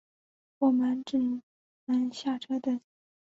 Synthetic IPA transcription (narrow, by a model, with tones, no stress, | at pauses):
wɔ˨˩mə˧˥nʈ͡ʂɻ̩˥˩ | mə˧˥nɕja˥˩ʈ͡ʂʰɤ˥d̪ə˩